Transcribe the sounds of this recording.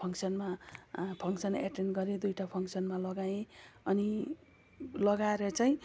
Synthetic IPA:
pʰʌŋksʌnmapʰʌŋksʌnḛʈenɡʌɾed̪ujʈapʰʌŋksʌnmalʌɡaẽʌni | lʌɡaɾʌt͡saĩ

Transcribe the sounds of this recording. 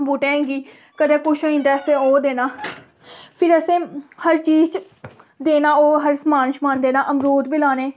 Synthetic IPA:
buːʈẽːɡiː | kəd̪eːkʊʃoːĩːnd̪aːəsẽːoːd̪eːnaː | pʰɪɾəsẽːhəɾt͡ʃiːzt͡ʃ | d̪eːnaːoːɦəɾsəmaːnʃmãːnd̪eːnaːʔəmɾoːd̪biːlaːneː

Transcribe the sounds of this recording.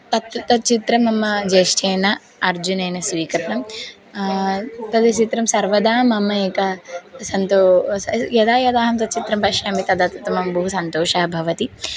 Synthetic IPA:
t̪ɐt̪ɐt̪ɐt͡ʃit̪ɾɐmɐmːɐd͡ʒeːʂʈʰeːnɐ | ɐɾd͡ʒuneːnɐsʋiːkɐɾɐɳɐm | pɐd̪ɐt͡ʃit̪ɾɐmsɐɾʋɐd̪aːmɐmːɐeːkɐsɐnt̪oːjɐd̪aːjɐd̪aːɦɐmt̪ɐt̪̚t͡ʃit̪ɾɐmpɐʃjaːmit̪ɐd̪at̪ɐt̪ɐmɐmɐbɐɦusɐnt̪oːʃɐːɐbʱɐʋɐt̪i

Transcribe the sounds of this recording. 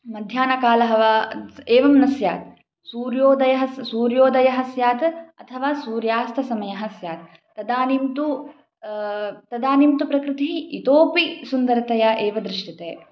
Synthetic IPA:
mɐd̪ʱjaːnɐkaːlɐɦɐʋaeːʋɐmɐnɐsjaːt̪̚ | suːɾjoːd̪ɐjɐɦɐsuːɾjoːd̪ɐjɐɦɐsjaːt̪ɐ̰t̪ʰɐʋaːsuːɾjaːst̪ʰɐsɐmɐjɐɦɐsjaːt̪̚ː | ɐd̪aːnimt̪u | t̪ɐd̪aːnimt̪upɾɐkɾɪt̪iɦiit̪oːpisund̪ɐɾt̪ɐjɐʔeːʋɐd̪ɾɪʂʈit̪eː

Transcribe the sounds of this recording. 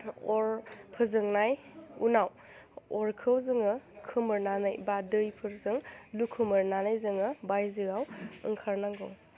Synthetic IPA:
ɔɾpʰɯzɯŋnajṵnaw | ɔɾkʰɯwzɯŋɯkʰɯmɯɾnanɯjbadɯjpʰɯɾzɯŋlukʰɯmɯɾnanɯjzɯŋɯbajzɯɡawɯ̰ŋkʰaɾnaŋɡow

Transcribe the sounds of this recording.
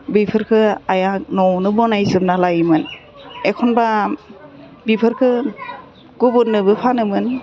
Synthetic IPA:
bipʰɯɾkʰɯajanɔwnɯbɔnajzɯmnalajmɯn | ekʰɔnba | bipʰɯɾkʰɯ | ɡ̥ubɯnːɯbɯpʰanɯmɯn

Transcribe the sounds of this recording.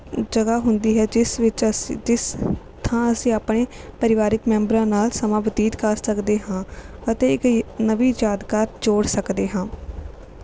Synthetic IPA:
d͡ʒəɡaːɦʊnd̪iːɦɛːɪsɪt͡ʃd͡ʒɪs | t̪ʰãːəsĩːaːpɳeːpəɾɪʋaːɾɪkmɛ̃ːmbɾãːnaːlsəmãːbəd̪iːt̪kaːsəkd̪eːɦãːət̪eːɪknəʋiːjaːd̪kaːɾd͡ʒoːɽsəkd̪eːɦãː

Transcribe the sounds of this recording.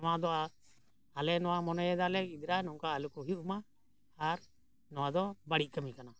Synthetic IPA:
ɔwad̪ɔʔa | alɛnɔwamɔnɔjɛd̪alɛid̪ɾanɔŋkaəlukuɦiumaː | ɾ | nɔwad̪ɔbaɽit̚c̚ˀkəmikana

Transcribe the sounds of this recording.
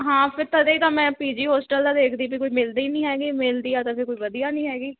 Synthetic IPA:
ɦãːpʰɪɾt̪ad̪eːiːt̪ãːmɛ̃ːpiːd͡ʒiːɦɔːsʈəld̪aːd̪eːkʰd̪iːpiːkoːiːmɪld̪iːnĩːɦɛːɡiːmɪld̪iːaːt̪ãːpʰɪɾkoːiːʋəd̪ijaːnĩːɦɛːɡiː

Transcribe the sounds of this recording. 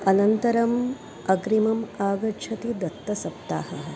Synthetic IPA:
ɐnɐnt̪ɐɾɐm | ɐɡɾimɐmaːɡɐʃʰɐt̪id̪ɐt̪ːɐsɐp̚t̪a̰ːhɐɦɐ

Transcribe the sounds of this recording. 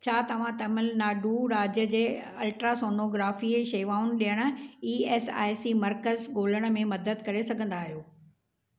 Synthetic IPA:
t͡ɕʰaːt̪ɐʋ̤ãt̪ɐmɪlnaːɖʱuɾaːd͡ʑjəd͡ʑeː | ɐlʈɾasoːnoɡɾaːfiʃeːʋaːʊn̆ɗijəɽ̃̆iːeːsa̰ːɪsimɐɾkəzɠoːləɽ̃ə̆mẽmɐd̪əd̪kɐɾesɐɡʱə̃nd̪aːɦijoː

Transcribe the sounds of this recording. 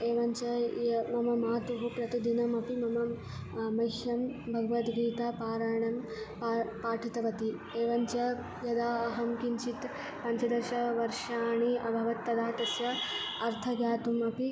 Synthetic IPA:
eːʋɐɲt͡ʃɐjmɐmɐmaːt̪uɦupɾɐt̪id̪inɐmɐpimɐmɐ | mɐjʃjɐmbʱɐɡɐʋɐt̪ɡiːt̪apaːɾaːɳɐm | papaːʈʰit̪ɐʋɐt̪i | eːʋɐɲt͡ʃɐ | jɐd̪aːɐɦɐmkint͡ʃit̪ | pɐɲt͡ʃɐd̪ɐɾʃɐʋɐɾʃaːɳiʔɐbʱɐʋɐt̪ːɐd̪aːt̪ɐsjɐɐɾt̪ʰɐɡjaːt̪umɐpi

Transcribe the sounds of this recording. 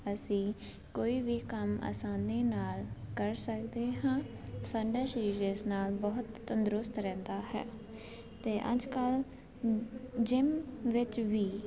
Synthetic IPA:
əsĩː | koːiːʋiːkəma̰ːsaːneːnaːlkəɾsəkd̪eːɦãːsaːɖaːʃəɾiːɾesnaːlbɔːʊt̪ːənd̪ɾʊst̪ɾɛ̃ːnd̪aːɦɛ̰ː | t̪eːʔə̰d͡ʒkəl | d͡ʒɪmʋɪt͡ʃʋiː

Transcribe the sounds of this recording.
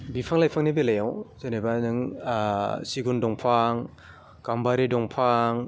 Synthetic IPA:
bipʰaŋlajpʰaŋnibilajawzanebanɯŋ | siɡundɔŋpʰaŋ | kambaɾidɔŋpʰaŋ

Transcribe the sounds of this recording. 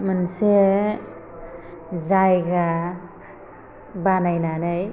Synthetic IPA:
mɯnse | zajɡa | banajnanɯj

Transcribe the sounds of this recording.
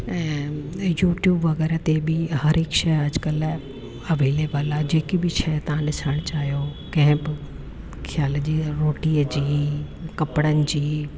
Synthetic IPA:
ɛ̃ːjuːʈjuːbʋɐɣɛːɾət̪ebɪhɐɾɦɪkʃɐjɐd͡ʑkəl | ɐʋeːleːbəlad͡ʑeːkibɪʃʰɐjt̪ɐʋ̤ãɗɪsəɽ̃t͡ɕaːɦijokɐ̃ɦɪ̃bɪ | kʰjaːld͡ʑiːɾoːʈiːəd͡ʑiː | kɐpɽ̃ənɪ̆d͡ʑiː

